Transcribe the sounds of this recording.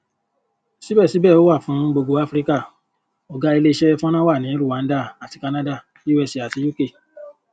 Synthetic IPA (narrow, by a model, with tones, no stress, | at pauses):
si˨˦bɛ˦˨si˨˦bɛː˦˨o˨˦wa˦˨fũ˨˦ɡ͡bo˧ɡo˦a˦fɾi˦ka˦˨ | ɔ˨ɡa˧i˧le˧˦i˧ʃɛ˦fũ˦ɔ̃˦ñã˦wa˦˨nĩ˨˦ɾu˦˨a˨˦n̩˦da˦˨a˨ti˨ka˧nã˦da˦˨˦u˦ɛ˧si˨a˨ti˨˦ju˦ke˦˨